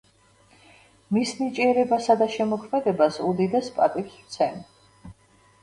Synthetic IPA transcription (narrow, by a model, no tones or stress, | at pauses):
misnit͡ʃʼiɛɾɛbasad̪aʃɛmɔkʰmɛd̪ɛbasud̪id̪ɛspʼat̪ʼikst̪sʰɛn